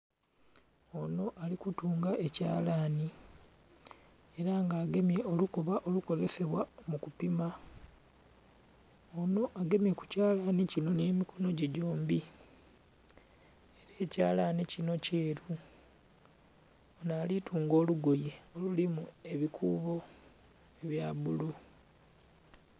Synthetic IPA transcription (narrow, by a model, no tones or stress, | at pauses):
o̞no̞ʔalikutuːŋɡaʔe̞ca̰ːlaːni | e̞ɾaŋɡaːɡe̞mje̞o̞lukoβaʔo̞luko̞ze̞se̞βwamukupima | ono̞ʔaɡe̞mje̞ku̥caːlanicino̞ne̞ːmikʰo̞no̞ɟeɟo̞ːmbi | eɾe̞ːcaːlanecino̞ce̞ːɾu | onaːlitʰuːŋɡo̞ːluɡoje̞o̞lulimue̞βikʰuːβo̞ | eβjaːβulu